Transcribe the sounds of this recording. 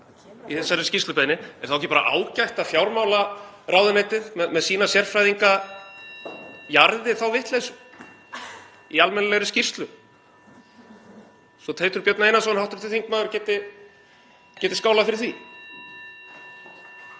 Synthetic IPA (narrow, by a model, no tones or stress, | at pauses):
iθɛsːaɾscirst̪lʏpɛnɪɛ̰ɾ̥θawɛcːɪpaːɾa̰ʔa̰ːwcajht̪afjawɾmawlaraːwðʏnaːjt̪ɪðmɛðmɛðsiːnasjɛr̥fɾajðiŋka | jaɾðɪθawvɪht̪les | ialmɛnalɛɣɾʏscir̥st̪lʏ | sɔt̪ʰeːjt̪ʏɾpjœt̪naeːjnas̬ɔnawht̪ʏɾ̥t̪ʰɪθiŋk̚maːðʏɾcɛːt̪ɪ | cɛːt̪ɪskaːwlafɪɾɪɾθi